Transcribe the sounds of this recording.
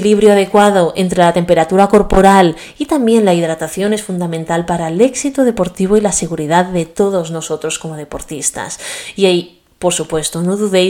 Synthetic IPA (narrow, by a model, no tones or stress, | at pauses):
liβ̞ɾjoað̞e̞kwað̞o̞ʔe̞nt̪ɾe̞lat̪e̞mpe̞ɾat̪uɾako̞ɾpo̞ɾal | it̪ambje̞nlaiðɾat̪aθjo̞ne̞sfund̪amẽnt̪alpaɾaele̞ksit̪oð̞e̞po̞ɾt̪iβ̞o̞ilase̞ɣuɾiðaðːe̞t̪o̞ðo̞zno̞so̞t̪ɾo̞sko̞moð̞e̞po̞ɾt̪ist̪a̰siaj | po̞ɾsupwe̞st̪ono̞ðuðe